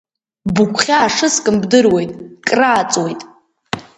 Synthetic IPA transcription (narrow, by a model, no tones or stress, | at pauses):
bɨkʷʰʼχʲaːʂɨskʼɨmbdɨrwe̞jtʼkʼraːt͡sʼwejtʼ